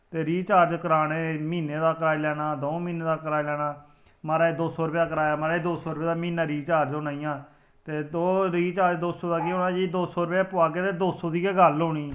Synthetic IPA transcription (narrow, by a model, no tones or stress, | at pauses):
t̪eːɾiːt͡ʃaːɾd͡ʒkəɾaːɽeːmiːneːd̪aːkəɾaːiːlɛːɽaːd̪oːmiːneːd̪aːkəɾaːilɛːɽaː | maɾaːeːd̪oːsoːɾpːaːkəɾaːjaːmaːɾaːed̪oːsɔːɾbeːd̪aːmiːnaːɾiːt͡ʃaːɾd͡ʒoːnaːijãː | t̪eːd̪oːɾiːt͡ʃaːɾd͡ʒd̪oːsoːd̪aːkeõːnaːd͡ʒiːd̪oːsoːɾpeapʊaːɡeːt̪eːd̪oːsoːd̪iːeːɡəloːɽiː